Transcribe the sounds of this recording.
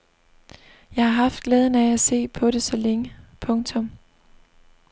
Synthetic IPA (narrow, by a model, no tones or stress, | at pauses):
jɑ̈ɪhɑ̈ɦɑ̈fd̥ɡ̥leːð̞ˠən̩ææse̝̰ːpʰɒ̽ɾe̝sɒ̽leŋəpʰɔ̽ŋt͡sʰɔ̽m